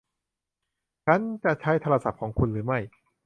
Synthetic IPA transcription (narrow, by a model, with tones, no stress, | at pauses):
t͡ɕʰa˦˥nt͡ɕa˨˩t͡ɕʰa˦˥jt̪ʰa˧a˧sa˨˩p̚kʰɔː˩˦ŋkʰu˧nɾɯː˩˦ma˥˩j